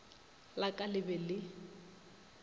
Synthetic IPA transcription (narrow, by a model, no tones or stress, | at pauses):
lakʼalɪbɛlɪ